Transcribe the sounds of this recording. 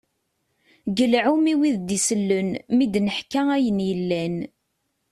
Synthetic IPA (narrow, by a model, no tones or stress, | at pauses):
ɡəlʕumiwiðd̪isəlːənmid̪nəħkææjənjəlːæn